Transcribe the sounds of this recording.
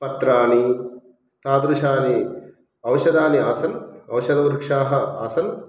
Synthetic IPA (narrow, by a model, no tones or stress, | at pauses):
pɐt̪ɾaːni | t̪aːd̪ɾuʃaːni | ɐʋɐʃɐd̪aːniaːsɐlɐʋɐʃɐd̪ɐʋɾukʂaːɦɐaːsɐl